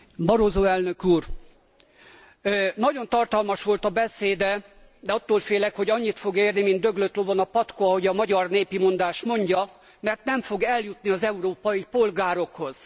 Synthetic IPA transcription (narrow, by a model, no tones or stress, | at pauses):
bɒɾoːzoːɛlnøkuːr | nɒɟo̞nt̪ɒrt̪ɒlmɒʃʋo̞lt̪ɒbɛseːd̪ɛ | d̪ɛɒt̪ːoːlfeːlɛkho̞ɟɒɲːit̪fo̞ɡeːrnimind̪ø̞ɡløt̪lovonɒpɒt̪koɒɦo̞ɟɒmɒɟɒrneːpimo̞nd̪aːʃmo̞ɲɟɒ | mɛrt̪nɛɱfo̞ɡɛljut̪niɒzɛuɾoːpɒjipo̞lɡaːɾo̞kho̞z̥